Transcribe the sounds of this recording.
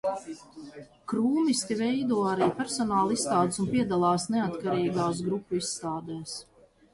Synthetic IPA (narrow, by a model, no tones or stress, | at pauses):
kɾuːmist̪ivɛjd̪uɔaɾiːpʲɛɾsɔnaːlˠisːt̪aːd̪ɪsunpiɛd̪alˠaːsneat̪kaɾiːɡaːs̬ɡɾupːuisːt̪aːd̪ɛːs